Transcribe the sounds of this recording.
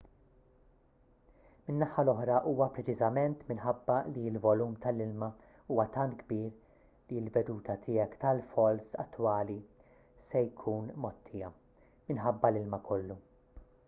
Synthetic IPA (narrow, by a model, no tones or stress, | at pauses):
mɪnːɐħɐlɔħɾɐʔuːwɐpɾɛt͡ʃɪzɐmɛnt̪mɪnħɐbːɐliɪlvɔluːmt̪ɐlɪlmɐ | uːwɐt̪ɐnt̪̚ɡbiːɾ | liɪlvɛd̪uːt̪ʰɐt̪ʰɪːjɛkt̪ɐlfɔlsɐ̰t̪ːwɐːli | sɛjkʰuːnmɔt̪ːɪjɐ | mɪnħɐbːɐlɪlmɐkʰɔlːu